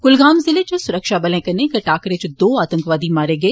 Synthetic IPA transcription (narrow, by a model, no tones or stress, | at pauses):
ɡ̥ʊlɡaːmzɪlet͡ʃɐsʊɾəkʃaːbɐlẽːkɐnekɐʈaːkɾet͡ʃd̪oːaːt̪ə̃ŋkʋaːd̪imaːɾeɡeː